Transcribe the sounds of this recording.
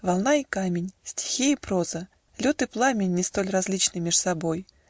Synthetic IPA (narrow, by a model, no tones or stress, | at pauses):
vɐlˠnaikamʲɪnʲsʲtʲɪ̥xʲiipɾo̞zə | lʲot̪ɨplˠamʲɪnʲːɪst̪o̞lʲrɐzʲlʲit͡ɕnɨjmʲɪʂsɐbo̞j